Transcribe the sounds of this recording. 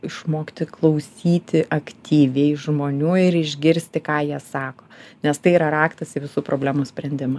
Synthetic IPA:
ɪʃmoːkt̪ʲɪklˠɐʊsʲiːt̪ʲɪʔɐkt̪ʲʰiːʋʲɛɪʒmoːnʲuːɪɾɪʒʲɡʲɪɾʲsʲt̪ʲɪkɑːjiɛsɑːkoːnʲɛst̪ɐɪiːɾɐɾɑːkt̪ɐsɪʋʲɪsuːpɾoːbʲlʲæːmuːsʲpʲɾʲɛnʲd̪ʲɪmɐ

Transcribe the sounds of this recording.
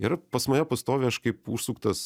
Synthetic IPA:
iɾɐpɐsmɐjoːpɐst̪oːʋʲeɐʃkɐɪpuːʃsuːkt̪ɐs

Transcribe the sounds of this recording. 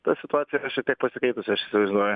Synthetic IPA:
t̪ɐsʲɪt̪ʊɑːt̪sʲɪjɛɐʃʲiɛkt̪ʲiɛk̚pɐsʲɪkɛɪt̪ʊsʲʊɐʃʲɪsʲɪʋɐʒʲɪnoːjʊ

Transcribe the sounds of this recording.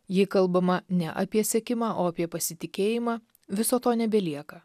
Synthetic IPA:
jɪkɐlˠˑbɐmɐnʲɛʔɐpʲiɛsʲɛkʲɪmɑːʔoːɐpʲiɛpɐsʲɪt̪ʲɪkʲeːjɪmɑː | ʋʲɪsoːt̪oːnʲɛbʲɛlʲiɛkɐ

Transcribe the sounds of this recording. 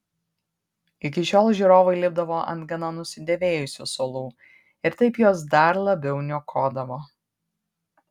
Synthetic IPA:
ɪk̬ʲɪʃʲoːlˠʒʲiːɾoːʋɐɪlʲɪb̚d̪ɐʋoːʔɐ̰nt̪ɡɐnɐnʊsʲɪd̪ʲɛʋʲeːjʊsʲṵːsoːlˠuː | ɪɾt̪ɐɪpjoːs̬d̪ɐɾlˠɐbʲɛʊnʲuɔkʰoːd̪ɐʋoː

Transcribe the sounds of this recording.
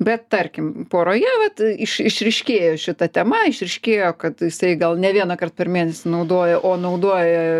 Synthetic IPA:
bʲɛt̪t̪ɐrʲkʲɪmpoːɾoːjɛːʋɐt̪ɪʃɪʃʲɾʲɪʃʲkʲeːjoːʃʲɪt̪ɐt̪ʲɛmɐɪʃʲɾʲɪʃʲkʲeːjoːkɐt̪jɪsɐɪɡɐlˠnʲɛʋʲiɛnɐkɐrt̪̚pʲɛrmʲiɛnʲɛsʲɪnɐʊd̪oːjɛʔoːnɐʊd̪oɔːjɛ

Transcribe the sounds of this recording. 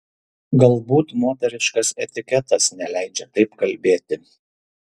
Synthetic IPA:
ɡɐlˠbuːt̪moːt̪ʲɛɾʲɪʃkɐsɛt̪ʲɪkʲɛt̪ɐsnʲɛlʲæɪd͡ʒʲɛt̪ɐɪpkɐlʲbʲeːt̪ʲɪ

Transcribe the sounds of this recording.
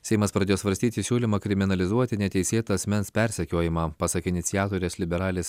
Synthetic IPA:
sʲɛɪmɐspɾɐd̪ʲeːjoːsʋɐɾʲsʲt̪ʲiːt̪ʲɪsʲuːlʲɪmɐːkɾʲɪmʲɪnɐlʲɪzuɔt̪ʲɪnʲɛt̪ʲɛɪsʲeːt̪ɐɐsʲmʲɛnspʲɛɾʲsʲɛkʲoːjɪmɑːpɑːsɐkɪnʲɪt̪sʲɪjæːt̪oːɾʲeːslʲɪbʲɛɾɑːlʲeːs

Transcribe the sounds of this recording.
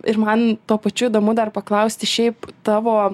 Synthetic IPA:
ɪɾmɐnt̪uɔpɐt͡ʃʲuiːd̪oːmʊd̪ɐrpɐklˠɐʊsʲt̪ʲɪʃʲɛɪpt̪ɑːʋoː

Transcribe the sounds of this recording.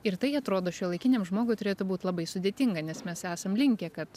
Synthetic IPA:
ɪɾt̪ɐɪɐt̪ɾoːd̪oːʃʲulˠɐɪkʲɪnʲeːmʒmoːɡʊɪt̪ʊɾʲeːt̪ʊbuːt̪ʲlˠɐbɐɪsʊd̪ʲeːt̪ʲɪŋɡɐnʲɛsmʲɛsæːsɐmlʲɪŋʲkʲɛkɐt̪

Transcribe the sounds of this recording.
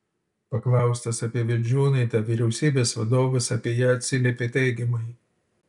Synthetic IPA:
pɐklˠɑˑʊst̪ɐsɐpʲiɛʋʲɪlʲd͡ʒʲuːnɐɪt̪ɐʋʲiɾʲɛʊsʲiːbʲeːsʋɐd̪oːʋɐsɐpʲiɛjɛɐt̪ʲsʲɪlʲeːpʲeːt̪ʲɛɪɡʲɪmɐɪ

